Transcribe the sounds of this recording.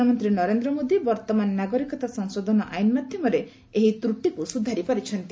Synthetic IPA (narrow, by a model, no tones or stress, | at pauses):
amɔnt̪ɾinɔɾend̪ɾɔmod̪ibɔɾt̪ɔmanːaɡɔɾikɔt̪asɔŋsod̪ʱɔnɔʔajnmad̪ʱjɔmɔɾe | eɦit̪ɾuʈikusud̪ʱaɾipaɾit͡ʃʰɔnt̪i